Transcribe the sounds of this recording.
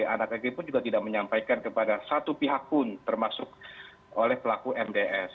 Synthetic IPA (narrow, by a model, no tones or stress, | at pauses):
a̰nakakipʊnd͡ʒuɡat̪idak̚məɲampajkankəpadasat̪upiɦak̚pʊnt̪ərmasʊk̚ | olɛhpəlakuʔɛmdeʔɛs